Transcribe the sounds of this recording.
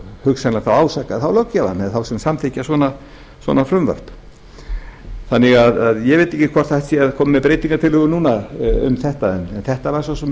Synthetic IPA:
hʏksanlaɣθawaːwsakaθawlowcːava̰nːɛðθawsɛmsamθecːaswɔːna | swɔ̰ːnafɾʏmva̰r̥t̪ | θanːɪɣaðaðjɛvejt̪ehcɪkʰvɔ̥t̪θaht̪sjɛaðkʰɔːmmɛpɾeːjt̪iŋkat̪ʰɪlhʏːɣʏnuːnaʏ̰mθɛht̪aɛnɛnθɛht̪avaɾ̥sɔs̬ɔ

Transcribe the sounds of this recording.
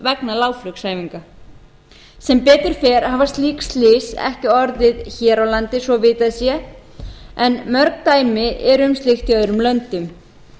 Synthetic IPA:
vɛknalaːwflʏksaːjviŋka | sɛmpɛːt̪ɪɾ̥fɛːɾ̥haːvast̪liːkst̪lɪːsɛ̰hcɪɔɾðɪðçɛːɾawlant̪ɪsvɔvɪːt̪aðsjɛ | ɛnmœɾk̚t̪aːjmɪʔɛɾʏmst̪lɪxt̪jœðʏɾʏmlœnt̪ʏm

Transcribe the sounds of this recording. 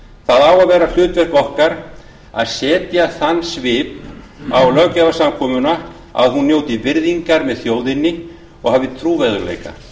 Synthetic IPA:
θaðaːwaðvɛːɾal̥ʏːt̪vɛr̥kɔhkaɾ̥ | aðsɛːt̪jaθanːsvɪːp | awlœɣcɛvasamkʰɔːmʏna | a̰ðhunːjoːwt̪ɪvɪɾðiŋkaɾmɛðθjoːwðɪnːɪ | ɔ̰ɣhavðɪt̪ʰɾuːvɛðʏɾlḛːjka̰

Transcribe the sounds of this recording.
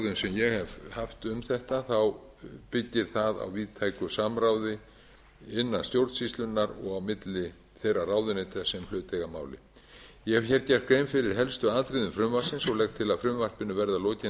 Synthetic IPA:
ðʏnsɛmjɛɣhɛvhaft̪ʏmθɛht̪aθaw | pɪcːɪɾ̥θaða̰wviːðt̪ʰajkʏsamɾawðɪ | ɪnːanst̪jowɾt̪sist̪lʏnːaɾɔɣawmɪt̪lɪ | θejraraːwðʏnɪt̪ʰɛsːɛml̥ʏːt̪ɛɣama̰ːwlɪ̰ | jɛhɛv̥çɛɾcḁkɾejmfɪɾɪɾ̥ɦɛlst̪ʏaːðt̪ɾɪðʏmfɾʏmvar̥sɪnsɔɣlɛxt̪ʰɪlaðfɾʏmvar̥pɪnːʏvɛɾðaloːcɪ

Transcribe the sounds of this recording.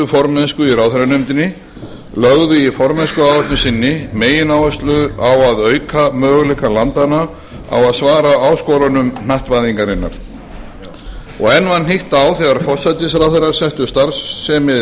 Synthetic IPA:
ʏfɔɾmɛnskʏirawθɪɾanʏmt̪ɪnːɪ | lœɣðʏifɔɾmɛnskʏaːwvɛst̪nɪsɪnːɪmeːjɪnawvɛst̪lʏðawaðœːɥkʰamœːɣʏlɛkalant̪ana | a̰waðsvaːɾaaːwskɔɾanʏmnaht̪vajðiŋkaɾɪnːa̰ɾ̥ | ɔ̰ɣɛnvanːɦiht̪awθɛɣaɾfɔr̥sajt̪ɪs̬ɾawθeɾaɾ̥sɛht̪ʏst̪aɾsːɛmɪ

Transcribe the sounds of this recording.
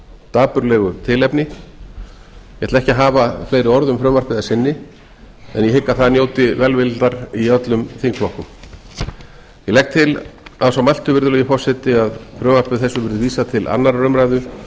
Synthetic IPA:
t̪aːpʏɾlɛɣʏt̪ʰɪlɛpnɪ | jɛhɛt̪aɛhcɪɦaːvaflejɾɪɔɾðʏmfɾœːvaɾ̥pɪðasɪnːɪ | ɛ̰njɛhɪkːaθaðnjoːwt̪ɪvɛlvɪlt̪aɾiœt̪lʏmθiŋkflɔhkʏm | jɛlɛk̚t̪ʰɪlaðsawmal̥t̪ʏvɪɾðʏlɛɣɪfɔ̥sɛt̪ɪaðfɾœːvar̥pɪðθɛsːʏvɪɾðʏviːsat̪ʰɪlʔa̰nːaɾːœmɾajðʏ

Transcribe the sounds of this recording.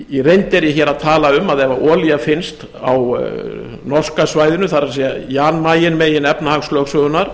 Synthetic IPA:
iɾejnt̪ɛɾjɛçɛɾaðt̪ʰaːlaʏmaðɛvaɾɔːliafɪnst̪ | aw | nɔr̥skasvaːjðʏnʏθaɾasjɛianmaːjɪnmejɪnɛpnahaŋslœːksvœɣʏnaɾ̥

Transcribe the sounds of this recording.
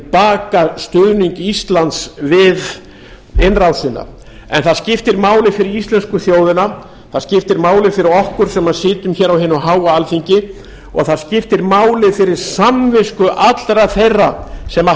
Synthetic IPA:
paːkast̪œniŋkist̪lant̪svɪð | ɪnrawsɪnːa̰ | ɛ̰nθaðscɪft̪ɪɾmaːwlɪfɪɾɪist̪lɛnskʏθjoːwðɪna | θaðscɪft̪ɪɾmaːwlɪfɪɾɪɾɔhkʏɾ̥sɛmːaðsɪːt̪ʏmçɛɾawɦɪːnʏɦaːwaalfiɲcɪ | ɔ̰ɣθaðscɪft̪ɪɾmaːwlɪðfɪɾɪɾ̥samvɪskʏʔat̪lɾaθejrːasɛma

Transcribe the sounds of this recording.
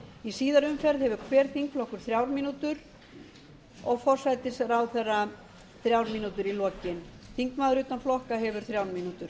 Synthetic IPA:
isiːðaɾʏmfɛɾðhɛvʏɾkʰvɛːɾθiŋkflɔhkʏɾ̥θɾjaːwɾmiːnut̪ʏɾ | ɔɣfɔr̥sajt̪ɪsɛɾawθɛrːa | θɾjawɾmiːnut̪ʏɾilɔːcɪnθiŋkmaːðʏɾʏːt̪anflɔhkaɦɛvʏɾ̥θɾjawɾmiːnut̪ʏɾ̥

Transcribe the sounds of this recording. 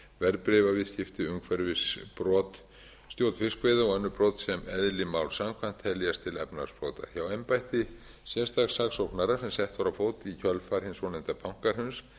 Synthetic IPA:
vɛɾpɾɪvavɪðscɪft̪ɪʏŋkʰvɛɾvɪspɾɔːt̪ | st̪jowt̪n̥fɪskveːðaɔɣɛnːʏpɾɔːt̪sɛmɛðlɪmawlsamkʰvan̥t̪ʰɛljast̪ʰɪlɛpna̰ɾ̥spɾɔːt̪a̰çawɛmpajht̪ɪ | sjɛst̪axsaxsowknaɾasɛmsɛht̪vaɾafoːwt̪ɪicʰœlfaɾ̥hɪnsɔnɪnt̪apʰawŋ̥kaɾ̥hʏns

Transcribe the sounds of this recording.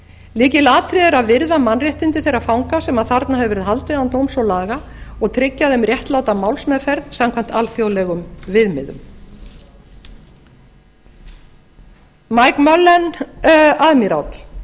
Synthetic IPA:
liːcɪlaːt̪ʰɾɪðɛɾaðvɪɾðamanrjɛht̪ɪnt̪ɪθɛɾafawŋkasɛmaðθaɾt̪nahɛvɛɾɪðhɦalt̪ɪðant̪owmsɔwlaːɣaɔɣt̪ʰɾɪcːaðɛmrjɛht̪lawt̪amawlsmɛðfɛɾðt̪samkʰvam̥t̪alθjowlɛɣʏmvɪðmɪðʏ̰m | majkmœlːɛn | aðmiɾa̰wt̪l̥

